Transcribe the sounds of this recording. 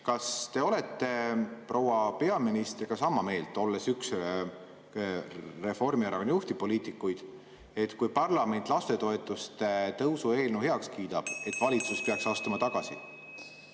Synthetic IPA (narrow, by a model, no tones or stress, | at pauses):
kɑst̪e̞o̞le̞t̪ːe̞pro̞wɑpe̞ɑminist̪rɡ̥ɑsɑmɑme̞ːlt̪ˑo̞lːe̞syks | re̞fo̞rmieɾɑkonjuht̪ipo̞liːt̪ˑikːˑujd̪̥ | e̞t̪kujpɑrlɑme̞nt̪ˑlɑst̪e̞t̪o̞e̞t̪ːˑust̪et̪ɤwsue̞ːlnuhe̞ɑkskiːt̪ɑb̥e̞t̪ːˑvɑlʲit̪suspe̞ɑksɑst̪umɑt̪ɑɡ̥ɑsḭ